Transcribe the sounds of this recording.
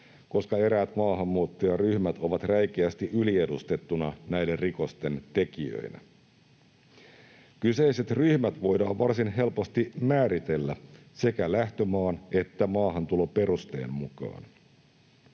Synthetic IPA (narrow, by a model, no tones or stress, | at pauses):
ko̞skɑe̞ɾæːt̪mɑːɦɑmːuːt̪ːojɑryhmæt̪o̞ʋɑt̪ræjk̟eæst̪iʔylie̞dust̪e̞t̪ːunɑnæjderriko̞st̪e̞nt̪e̞kiø̰inæ̰ | kyse̞ise̞t̪ryhmæt̪ʋo̞jdɑːʋʋɑrsinɦe̞lpost̪imæːɾit̪e̞lːæ | se̞kælæht̪ømɑːne̞t̪ːæmɑːɦɑnt̪ulope̞ɾust̪e̞̰ːmmukɑ̰ːn